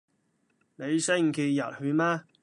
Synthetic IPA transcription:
ne˨˧jse˥jŋ̩˨kʰi˧jɐ˨t̚hy˨˧maː˥

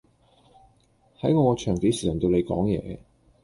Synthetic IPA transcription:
hɐ˨˥jŋɔː˧kɔː˨˧t͡ʃʰœː˨˩ŋt̪i˨˥siː˨˩sɐ˨˩ŋt̪o˧wne˨˧jkɔː˨˥ŋjɛ̰ː˨˧

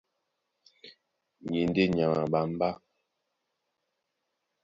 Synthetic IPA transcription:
ɲe˨n˦de˦ɲa˨ŋa˨ɓa˨m̩˦ba˦

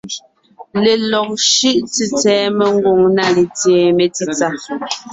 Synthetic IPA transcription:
le˨lɔ˨k̚ʃʉ˦ʔt͡si˨t͡sɛː˨˦me˦˨ŋ̩˦ɡo˨ŋna˦le˨tje˨me˨ti˦t͡sa˦

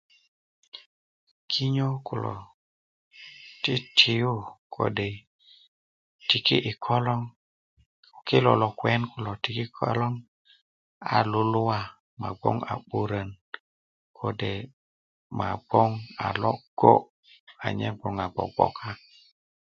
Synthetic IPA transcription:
kʰi˦ɲo˦ku˨lɔ̰˨ | ti˦tʰi˨ju˦kʰo̰˨˦de˨ | ti˨kḭ˦ʔi˨kʰɔ˦lɔ˦ŋ˨ | ki˦lɔ˨lɔ˨kwɛ˦nku˨lɔ˨ti˨ki˦kʰɔ̰˦lɔ˦ŋ | a̰˨lu˦lu˦wa˦ | ma˨ɡ͡bɔ̰˦ŋa̰˨ɓu˦ɾə˨n | kʰo˦de˨ | ma˨ɡ͡bɔ˦ŋa̰˨lɔ˦ɡ̥o̰˦ | a̰˨ɲɛ˦ɡ͡bɔ˨ŋa˨ɡ͡bɔ̰˨ɡ͡bɔ̰˨kʰa˦

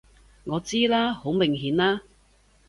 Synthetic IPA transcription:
ŋɔː˨˧t͡siː˥laː˥ho˨˥wmɪ˨˩ŋɦiː˨˥nlaː˥

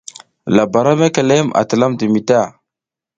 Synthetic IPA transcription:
la˨ba˨ɾa˦me˦ke˨le˦ma̰˨tə˨la˦mdi˨mi˨ta˦˨

